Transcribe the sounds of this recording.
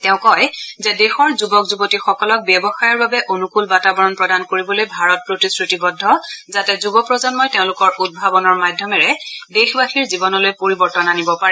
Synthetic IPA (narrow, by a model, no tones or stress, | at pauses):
tɛʊ̃kɔjzɛdexɔɹzubɔkzubotixɔkɔlɔk̚bjɛbɔxajɔɹbabɛʔonukulbatabɔɹɔnpɹɔdankoɹibɔlojbʱaɹɔt̚pɹotisɹitibɔdʱːɔzatɛzubɔpɹɔzɔnmɔjteʊ̃lʊkɔɹud̚bʱabɔnɔɹmadʱjɔmɛɹɛdexbaxiɹzibɔnɔlojpoɹibɔɹtɔnanibɔpaɹɛ